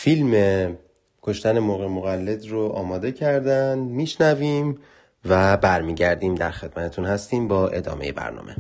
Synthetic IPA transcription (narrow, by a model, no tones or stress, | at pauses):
filme | kʰoʃt̪æne̞moːɣemoɣælːe̞d̪roʔɒːmɒːd̪e̞cʰæɾd̪ænd̪miːʃnæviːm | væbæɾmiːɟæɾd̪iːmd̪æɾxe̞d̪̚mæt̪ʰet̪ʰunhæst̪iːmbɒːʔe̞̰d̪ɒ̰ːme̞je̞̰bæ̰ɾnɒ̰ːmʔe̞̰